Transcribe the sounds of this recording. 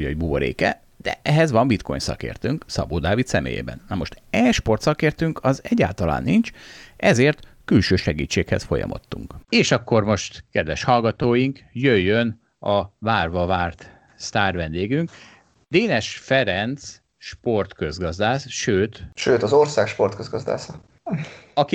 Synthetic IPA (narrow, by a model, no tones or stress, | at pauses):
oɟbuboɾḛːkɛ | d̪̥ɛ̰ʔɛɦɛzʋɒɱbit̪kʰo̞̰ɲsɒ̰kḛːrt̪øːŋksɒ̰boːd̪aːvit̪sɛmḛːjḛːbɛ̰nːɒmoʃt̪ɛʃpo̞rt̪sɒkeːrt̪øŋkɒzɛɟːa̰ːlt̪ɒla̰ːnːint͡ʃʔɛzeːrt̪ | kylʃøːʃɛɡiːt͡ʃːeːkhɛsfo̞̰jɒ̰mʔo̞̰t̪ːuŋkeːʃɒkːo̞rmo̞ʃt̪kɛd̪vɛʃhɒlɡɒt̪oːjiŋkjøjːøn | ɒvaːrvɒvaːrt̪ | st̪aːrvɛnd̪eːɡyŋk | d̪̥eːnɛʃfɛɾɛnt̪s | ʃpo̞rt̪kø̞zɡɒzd̪aːsʃøːt̪ʃøːt̪ɒzorsaːkʃpo̞rt̪køzɡɒzd̪a̰ːsɒ | ɒki